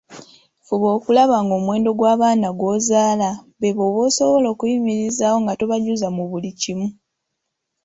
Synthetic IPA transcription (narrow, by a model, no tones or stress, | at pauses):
fuβo̞ːkulaβaŋɡoːmwe̞ːndo̞ɡwaːβaːnaɡwo̞ːzaːlaβeβoːβoso̞βolo̞kuimiɾizaːwo̞ŋɡatoβaɟuzamuβulicimu